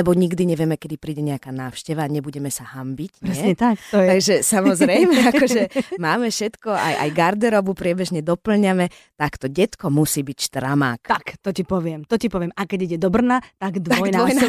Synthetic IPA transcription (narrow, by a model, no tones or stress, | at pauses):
lɛbɔɲiɡd̪iɲɛʋɪɛmɛkɛd̪ipɾiːɟɛɲɛakaːnaːʊʃcɛʋaːɲɛbuɟɛmɛsahambicɲpɾɛɛɲɛt̪ak̪ɔt̪aɡʒɛsamɔzɾɛjmɛakɔʒɛmaːmɛfʃɛt̪kɔa̰jʔa̰jɡaɾd̪ɛɾɔʋupɾɪɛbɛʒɲɛd̪ɔpl̩ɲamɛ | t̪akt̪ɔɟɛt̪kɔmusiːbicʃt̪ɾama̰ːk̪akt̪ɔcipɔʋɪɛmt̪ɔcipɔʋɪɛmakɛɟiɟɛd̪ɔbr̩nat̪aɡd̪ʋ̪aɔɡjnaʋɔj̪a